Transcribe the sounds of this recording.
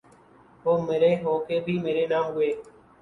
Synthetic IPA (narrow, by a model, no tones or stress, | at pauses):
ɦoːmeːɾeːɦoːkʰeːbʱiːmeːɾeːnaːmɡʊeː